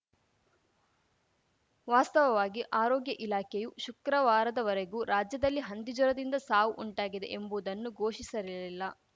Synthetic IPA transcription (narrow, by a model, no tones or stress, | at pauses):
ʋaːst̪ɐʋɐʋaːɡiʔaːɾɔːɡjɐʔilaːkʰejuʃukɾɐʋaːɾɐd̪ɐʋɐɾeɡuːɾaːd͡ʒjɐd̪ɐlːiɦɐnd̪id͡ʒɔɾɐd̪ind̪ɐsaːʋuʔuɳʈaːɡid̪e̞̰ʔembud̪ɐnːuɡoːʃisɐɾililːɐ